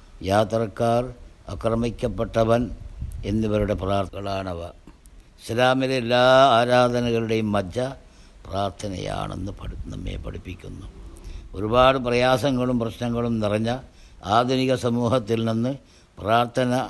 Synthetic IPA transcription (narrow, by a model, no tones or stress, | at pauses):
jaːt̪rɐkːaːrɐkrɐmikʲːɐpːeʈːɐʋɐne̞nːiʋɐɾuɽe̞praːrt̪ɣɐɭaːɳɐʋɐ̰ | islaːmilelːaːaːɾaːd̪ʱɐnɐɣɐɭuɽe̞jumːɐd͡ʑɐ | praːrt̪ʰɐnɐ̰ja̰ːɳe̞̰nːɨpɐnɐ̰mːḛːpɐ̰ɽipːikʲːunːuo̞ɾubaːɽɨprɐjaːsɐŋːɐɭumprɐɕnɐŋːɐɭumniriɲːɐ | aːd̪ʱuniɣɐsɐmuːhɐt̪ːilninːɨ | praːrt̪ʰɐnɐ